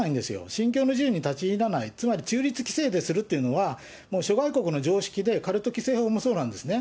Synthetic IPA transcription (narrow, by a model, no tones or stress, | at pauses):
aĩnd̪e̞sɨjo̞̰ɕĩŋk̬ʲo̞ːno̞ʑɨːɲ̟it̪at͡ɕiːɾanait͡sɨmaɾʲit͡ɕɨːɾʲit͡sɨ̥kʲi̥se̞ːd̪e̞sɨɾɯ̟t̪ːeiɯ̟no̞βa | mo̞ːɕo̞ɡaiko̞kɯ̟no̞d͡ʑo̞ːɕi̥kʲid̪e̞kaɾɯ̟t̪ːo̞kʲi̥se̞ːoːmoso̞ːnãnd̪e̞sɨne